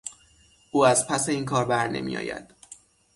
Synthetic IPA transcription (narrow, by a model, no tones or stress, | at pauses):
ʔuːæzpʰæseiːnkʰɒːɾbæɾne̞̰mḭjɒ̰ːjæ̰d̪̥